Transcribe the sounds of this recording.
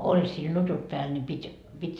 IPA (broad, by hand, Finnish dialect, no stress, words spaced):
olʲ sil nutut pæːl nʲi pitʲ pitʲ